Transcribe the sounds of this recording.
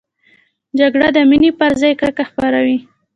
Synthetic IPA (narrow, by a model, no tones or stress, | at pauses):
d͡ʒaɡɽad̪əminipəɾzɑjkɽəkaxpaɾawi